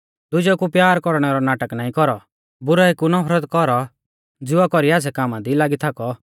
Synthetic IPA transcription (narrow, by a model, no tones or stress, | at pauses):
d̪ʊd͡ʒɔkupjaːɾkɔɾɽ̃ɛɾɔnaːʈəknaːĩkɔɾɔ | bʊɾaekunɔpʰɾət̪kɔɾɔ | d͡zɪakɔɾiaːs̬ɛkaːmãd̪ilaːɡit̪ʰakɔ